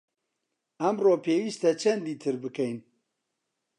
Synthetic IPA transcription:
ɐmroːpʰeːwiːst̪ɐt͡ʃʰɐnd̪iːt̪ʰɨɾbɨkɛjn

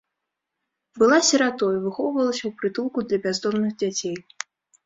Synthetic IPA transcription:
bɨlˠasʲɐɾat̪ɔjivɨxɔvɨvɐlˠəsʲɐwpɾɨt̪ulˠkud̪lʲɐbʲazd̪ɔmnɨxd͡zʲat͡sʲej

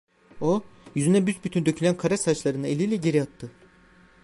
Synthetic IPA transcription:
ojyzynɛbysbyt̪ʰynd̪ø̞cʰylʲænkʰaɾasat͡ʃlˠaɾɯnɯelʲilʲɛɟe̞ɾiat̪ːɯ

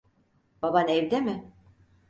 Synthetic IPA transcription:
babanɛvd̪emɪ

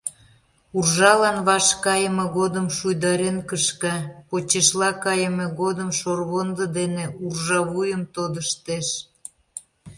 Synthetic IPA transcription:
urʒɑlɑnβɑʃkɑjəmeɣod̪əmʃujd̪ɑɾenkəʃkɑpot͡ɕeʃlɑkɑjəmeɣod̪əmʃorβond̪əd̪eneurʒɑβujəmt̪od̪əʃt̪eʃ

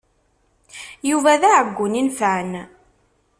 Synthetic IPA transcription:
juvæðaʕəɡʷːʊninfən

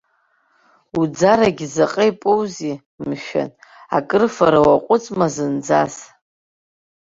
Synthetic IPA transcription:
ud͡zaɾaɡʲzaqʼejpʼɨwzi | mʃᶣa̰na̰kʼɨrfaɾawaqʷʼʊt͡sʼmazɨnd͡zas

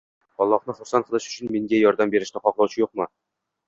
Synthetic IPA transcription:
ɒlˠːɑχnəχʊɾsɑnχʰələʃɵ̥t͡ʃʰɪnmeŋɡʲajɒɾd̪ambeɾɪʃnɪqɒqlˠɒwt͡ʃʰɪjoqmɤ

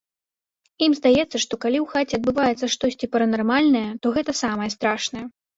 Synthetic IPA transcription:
imzd̪ajɛt̪sːɐʂt̪ɔkalʲiwxat͡sʲɛɐd̪̚bɨvajɛt̪sɐʂt̪ɔsʲt͡sʲipɐɾɐnarmalʲnɐjɛt̪ɔɣɛt̪ɐsamɐjɛst̪ɾaʂnɐjɛ

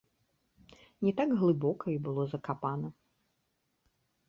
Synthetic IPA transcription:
nʲɛt̪aɡɣlˠɨbɔkɐibɨlˠɔzɐkapanɐ

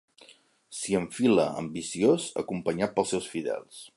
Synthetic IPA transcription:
siəɱfilə̰əmbisiozə̰kumpəɲat̪̚pəlˠsɛwsfiðɛ̰lˠs

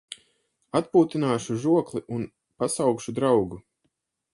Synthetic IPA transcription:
at̪puːt̪inaːʃuʒuɔklˠiʔun | pasawkʃud̪ɾawɡu

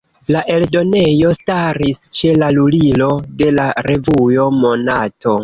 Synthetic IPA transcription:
laʔe̞ldo̞ne̞jo̞staɾist͡ʃe̞lalulilo̞de̞laɾe̞vujo̞mo̞natʰo̞

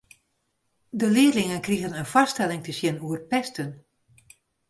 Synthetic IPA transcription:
dəlɪərlɪŋənkriɣənənfɑstɛlɪŋtəsjɛnuərpɛstən

